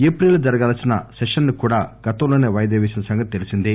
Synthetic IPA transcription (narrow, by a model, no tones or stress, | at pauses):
eːpɾeld͡ʒɐɾɐɡaːlɐsinɐ̰sɛʂɐnːikuːɽaːɡ̥ɐt̪ɐmloːneːʋɐjɐd̪eːʋeːsinɐsɐŋɡɐt̪̚t̪elisind̪i